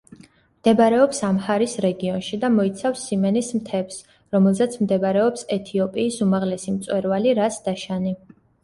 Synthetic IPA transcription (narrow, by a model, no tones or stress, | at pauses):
md̪̥ɛbaɾɛɔpsamhaɾisɾɛɡiɔnʃid̪amɔit̪sʰafsːimɛnismt̪ʰɛps | ɾɔmɛlˠzɛt̪sʰmd̪ɛbaɾɛɔpsɛt̪ʰiɔpʼiːsumaʁlɛsimt̪sʼwɛɾvaliɾasd̪̥aʃani